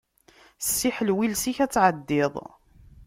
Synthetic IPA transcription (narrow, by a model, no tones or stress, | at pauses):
sːiħəlwilsiçæt͡sːʕəd̪ːɪðˤ